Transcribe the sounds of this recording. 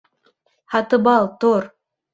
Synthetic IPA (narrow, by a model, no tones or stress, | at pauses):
hɑt̪ɨbɑlˠt̪oɾ